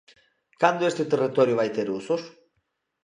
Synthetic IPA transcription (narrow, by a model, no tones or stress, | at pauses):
kand̪oest̪et̪erit̪oɾjuβajt̪eɾusos